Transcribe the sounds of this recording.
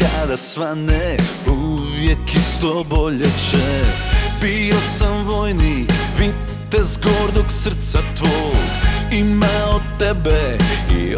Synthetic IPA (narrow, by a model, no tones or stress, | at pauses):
ad̪asʋanɛ | uʋjɛkist̪oboʎɛt͡ʃɛ | biosamʋojniʋi | t̪ːɛzɡoɾd̪oksər̩t̪sat̪ʋo | imaot̪t̪ːɛbɛḭ